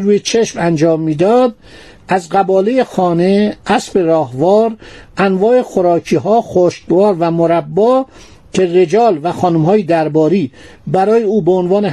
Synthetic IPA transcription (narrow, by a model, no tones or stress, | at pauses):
ɾuːjet͡ʃʰeʃmænd͡ʒɒːmːiːd̪ɒːd̪̚ | æzɢæbɒːlejexɒːne̞ʔæsbe̞ɾɒːhvɒːɾʔænvɒːexoɾɒːcʰiːɦɒːxoʃt̪vɒːɾvæmoɾæbːɒː | cʰe̞re̞d͡ʒɒːlvæxɒːnumɦɒːjed̪æɾbɒːɾiː | bæɾɒːjeuːbeonvɒːne